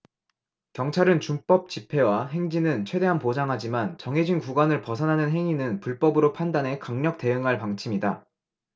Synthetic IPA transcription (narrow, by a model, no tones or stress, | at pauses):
kjʌŋt͡ɕʰaɾɯnt͡ɕump͈ʌp̚t͡ɕipʰe̞waɦe̞ŋd͡ʑinɯnt͡ɕʰwe̞de̞ɦanpod͡ʑaŋɦad͡ʑimant͡ɕʌŋɦe̞d͡ʑinkuɡwanɯɭpʌsʰʌnɦanɯnɦe̞ŋinɯnpuɭp͈ʌbɯɾopʰandane̞kaŋɲʌk̚t͈e̞ɯŋɦaɭpaŋt͡ɕʰimida